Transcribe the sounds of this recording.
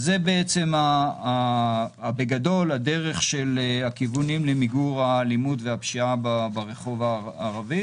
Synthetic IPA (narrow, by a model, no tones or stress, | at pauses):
zebeet͡se̞maː | beɡado̞lade̞ʁe̞χʃelakivunimlemiɡuʁalimudveapʃiababaʁeχo̞vaː | ʁavi